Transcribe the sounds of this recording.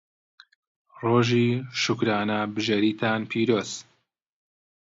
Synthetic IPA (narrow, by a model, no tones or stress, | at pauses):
roːʒiːʃʊkɾaːnɐbɨʒeɾiːt̪ʰaːnpʰiːɾoːz̥